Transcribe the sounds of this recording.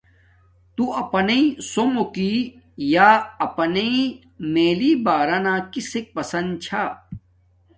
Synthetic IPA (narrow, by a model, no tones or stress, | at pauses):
t̪uɐpɐneĩsomoki | jaːɐpɐneĩ | meːliːbaːɾɐnãːkisek̚pɐsɐnd̪̚t͡ɕʰa